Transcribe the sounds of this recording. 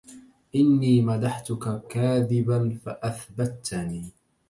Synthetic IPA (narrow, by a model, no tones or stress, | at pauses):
ʔɪnːiːmad̪aħt̪ʊkakaːðɪbanfaʔaθbat̪ːniː